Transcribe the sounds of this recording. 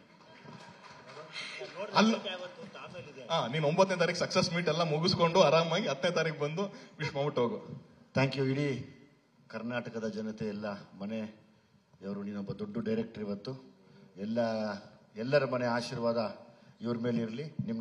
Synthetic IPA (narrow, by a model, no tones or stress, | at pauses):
oɐlːʋɐt̪ːuasɐid̪eaːniːnuombɐt̪net̪aːɾiksɐksesmiːʈɛlːɐmuɡuskoɳɖuaːɾaːmaːɡiɦɐd̪net̪aːɾikebɐnd̪uʋiʂmaːmuʈoːɡut̪ʰaːŋkjuiɽi | kɐɾnaːʈɐkɐd̪ɐd͡ʒɐnɐt̪eɛlːɐmɐne̞ | ɐʋɐɾuniːnɔbːɐd̪oɖːuɖɐjɾek̚ʈɐɾiʋɐt̪ːuɛlːɐ | ɛlːɐɾɐmɐneaːʃiːɾʋaːd̪ɐiʋɾumeːliɾɐlinim